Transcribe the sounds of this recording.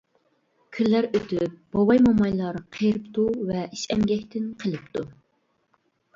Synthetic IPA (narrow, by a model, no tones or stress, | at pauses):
kʲʰilːæɾøt̪yp̚b̥ɑwɑjmɑmɑjlˠɑɾqʰeɾɨpt̪ʰuvɛʔiʃɛmɡʲɛkʲt̪ʰɪnqʰəlˠɨp̚t̪ʰu